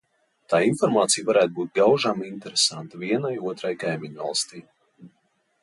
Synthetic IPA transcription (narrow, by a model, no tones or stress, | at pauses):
t̪aːinfɔɾmaːt̪sijvaɾæːt̪̚buːt̪̚ɡawʒamint̪ɛɾesant̪aviɛnajuɔt̪ɾajkajmʲiɲva̰lˠst̪iː